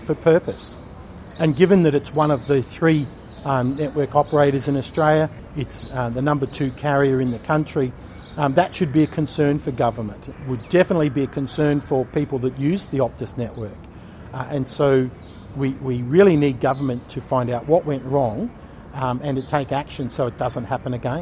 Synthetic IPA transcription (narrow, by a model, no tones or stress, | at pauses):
fə˞pʰɜ˞pɨs | ɨ̃nɡɪvɨ̃nðɨɾɨtswʌ̃nʌvðɨθɹi | nɛʔwɜ˞kɑpə˞eɪɾə˞zɨ̃nɨstɹ̥eɪlˠjɨ | ɨtsðɨnʌ̃mbə˞tʰʉkʰɛɹiə˞ɨ̃nðɨkʰʌ̃nt͡ʃɹ̥i | ðɨtʃɨd̚biɨkʰɨ̃nsɜ̃˞nfə˞ɡʌvə˞mɨ̃nt̚wədɛfənətˡlibiɨkʰɨ̃nsɜ̃˞nfə˞pʰipl̩ˠðɨt̚jʉzðiɑp̚tɨsnɛʔwɜ˞k | ʔɨ̃nsoʊ | wiwiɹɪlˠinid̚ɡʌvə˞mɨ̃ntʰɨfãɪ̃ndaʊʔ̚wʌʔ̚wɛ̃nʔɹɔ̃ŋ | ɨ̃ntɨtʰeɪkækʃɨ̃nsoʊɨt̚d̥ʌzə̃n̩t̚hæpɨ̃nɨɡɛ̃